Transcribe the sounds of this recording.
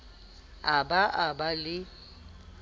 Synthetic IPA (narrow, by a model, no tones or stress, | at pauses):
abaʔabalɪ